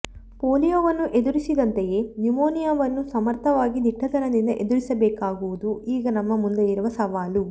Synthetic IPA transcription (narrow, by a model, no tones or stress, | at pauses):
poːlijoːʋɐnːuʔe̞d̪uɾisid̪ɐnt̪eje̞ːnumoːnijɐʋɐnːusɐmɐɾt̪ʰɐʋaːɡid̪iʈʰːɐt̪ɐnɐd̪ind̪ɐʔe̞d̪uɾisɐbɛːkaːɡuʋud̪uiːɡɐnɐmːɐmund̪ejiɾuʋɐsɐʋaːlu